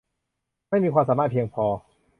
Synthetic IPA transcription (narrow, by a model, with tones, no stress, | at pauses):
ma˥˩jmiː˧kʰwaː˧msaː˩˦maː˧˩pʰi˧əŋpʰɔː˧